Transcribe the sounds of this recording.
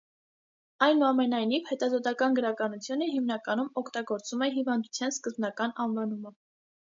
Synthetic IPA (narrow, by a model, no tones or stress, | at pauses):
ɑjnuɑmɛnɑjnivhɛt̪ɑzɔt̪ɑkɑnɡəɾɑkɑnut͡sʰjunəɦimnɑkɑnumɔkʰt̪ɑɡɔɾt͡sumɛɦivɑnd̪ut͡sʰjɑnskəzbnɑkɑnɑnvɑnumə